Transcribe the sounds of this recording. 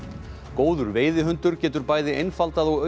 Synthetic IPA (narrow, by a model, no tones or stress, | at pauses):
koːwðʏɾveːjðɪɦʏnt̪ʏɾcɛːt̪ʏɾpaːjðɪʔejnfalt̪aðɔɣœ